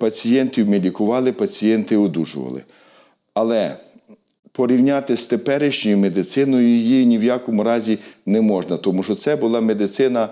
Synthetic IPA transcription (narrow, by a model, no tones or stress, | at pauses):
pɐt͡sʲijɛnt̪ʲiwmelʲikʊʋɑlˠɪpɐt͡sʲijɛnt̪ɪɔd̪ṵʒʊ̰ʋɐ̰lˠɪ̰ | ɐlˠɛ | pɔɾʲiwnʲɑt̪ɪst̪epɛɾɪʃt͡ʃʊjʊmed̪ɪt̪sɪnɔjʊjjinʲiwjɑkɔmʊɾɑzʲinɛmɔʒnɐt̪ɔmuʃɔt̪sɛbʊlˠɑmed̪ɪt̪sɪnɐ